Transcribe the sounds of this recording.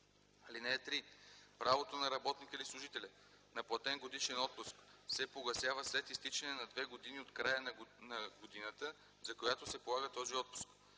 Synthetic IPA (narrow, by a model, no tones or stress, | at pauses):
ɐlinɛːt̪ɾipɾavot̪onɐɾɐbɔt̪nikəlislˠʊʒit̪ɛlʲə | nɐplˠɐt̪ɛnɡod̪iʃɛnɔt̪̚pʊsksɛpoɡɐsʲjavəslɛt̪ist̪it͡ʃɛnɛnɐd̪vɛɡod̪iniot̪kɾajənnɐɡod̪inət̪ə | zɐkojat̪osɛpolˠaɣət̪ɔziɔt̪̚pʊ̥sk